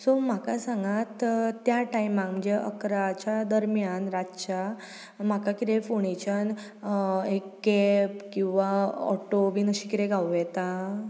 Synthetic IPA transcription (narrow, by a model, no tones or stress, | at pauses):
som̤akasãŋɡat̪t̪ːjaʈajmãkm̤əɲd͡ʑeʔə̰kɾat͡ɕjad̪əɾmjanɾatt͡ɕa | m̤akakit̪efoɳ̃it͡ɕən | ekɡɛpkĩw̃ʋaɔ̰ʈoʋiːnəɕikit̪eɡawɛt̪a